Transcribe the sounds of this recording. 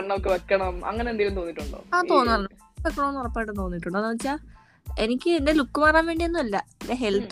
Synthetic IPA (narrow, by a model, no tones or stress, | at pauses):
ɐmokːeʋekːɐɳɐmɐ̰ŋːɐnend̪ilumt̪o̞ːnːiʈːuɳɖo̰ːaːt̪o̞ːnːaːɭɳː | ʋekːɐɳɐmonːurɐpːaːjʈːɨt̪o̞ːnːiʈːuɳɖonaʋɐt͡ɕːaː | e̞nikʲːɨendelukːɨmaːraːnʋeːɳɖionːumɐlːɐdeɦe̞lt̪ː